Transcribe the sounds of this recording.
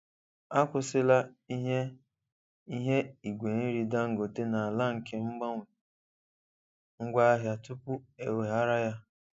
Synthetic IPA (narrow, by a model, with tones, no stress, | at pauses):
a˦kʷʊ˨sɪ˦la˦i˦ɦe˦ | i˦ɦe˦i˨ɡʷe˨n̩˦ɾi˨da˦ŋ̩˨ɡo˨te˦na˨a˨la˦ŋ̩˨kʰe˦ŋ͡m̩˦ɡ͡ba˦ŋʷʊ˨ | ŋ̩˦ɡʷa˦a˦ɦja˨tʊ˦pʊ˦e˨we˨ɦa˦ɾa˦ja˦